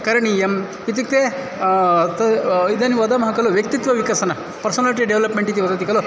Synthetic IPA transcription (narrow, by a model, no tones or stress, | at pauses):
kɐɾɐɳiem | it̪̬ik̚t̪e | t̪ɐid̪ɐniʋɐd̪ɐmɐɦɐkɐluʋjɐk̚t̪it̪ʋɐʋikɐsɐnɐ | pɐɾsɐnɐliʈ̬iɖeʋlɐpmeɳʈit̪̬iʋɐd̪ɐt̪ikɐlu